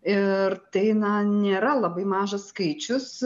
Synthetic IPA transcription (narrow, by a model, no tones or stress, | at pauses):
ɪrt̪ɐɪnɐnʲeːɾɐlˠɐbɐɪmɑːʒɐsskɐɪt͡ʃʲʊs